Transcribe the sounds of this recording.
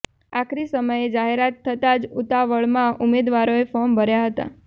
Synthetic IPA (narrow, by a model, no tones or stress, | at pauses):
akʰɾisəməjed͡ʒaɦeɾat̪ʰːət̪ad͡ʒut̪aʋəɭmãʔumed̪ʋaɾoefɔɾmbʱəɾjaɦət̪a̰